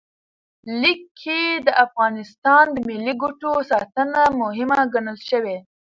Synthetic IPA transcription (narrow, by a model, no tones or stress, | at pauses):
likʰːed̪əʔafɣɑnɪst̪ɑnd̪əmɪlːiɡuʈosɑt̪ənamʊɦɪmaɡaɳəlʃəwe